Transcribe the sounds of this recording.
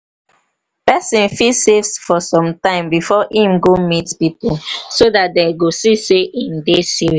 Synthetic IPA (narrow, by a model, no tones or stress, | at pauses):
pɛsĩnfilsevsfɔsɔ̃mtãɪ̃mbifɔhĩmɡõmitpipusodat̚deɡosiseʔĩmdesiɹi